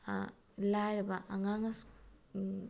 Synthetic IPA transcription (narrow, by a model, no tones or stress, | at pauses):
lajɾɐbɐʔɐŋaŋɐs